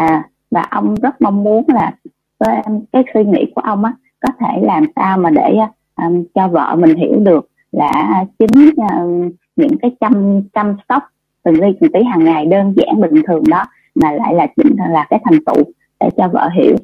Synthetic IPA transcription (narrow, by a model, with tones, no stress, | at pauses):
vaː˨˩ʔə˧wŋ͡mzə˦˥t̚ma˧wŋ͡mmu˨˦ənlaː˨˩ | vəː˨˦jkaː˨˦jswi˧ŋḭ˧˥ku˧˩əʔə˧wŋ͡mʔaː˨˦ | kɔ˨˦t̪ʰe˧˩laː˨˩msaː˧wmaː˨˩ɗe˧˩˧ | ʔt͡ɕɔ˧və̰ː˧˨mï˨˩ŋ̟ɦḭ˧˩əwɗɨ˨˩ək̚ | laː˨˩t͡ɕï˨˦ŋ̟ː˧ | ɲɨ̰˧˥ŋkaː˨˦jt͡ɕa˧mt͡ɕa˧msə˦˥k͡p̚ | t̪ɨ˨˩ŋli˧t͡ɕɨ˨˩ŋt̪i˨˦ɦaː˨˩ŋːa˨˩jɗəː˧nza̰ː˧˥ŋɓï˨˩ŋ̟t̪ʰɨ˨˩əŋɗɔ˨˦ | maː˨˩la̰ː˧˨jlaː˨˩t͡ɕḭ˧˩ŋ̟˨˩laː˨˩kaː˨˦jt̪ʰa˨˩jŋ̟t̪ṵ˧˨ | ɗe˧˩t͡ɕɔ˧və̰ː˧˨ɦḭ˧˩əw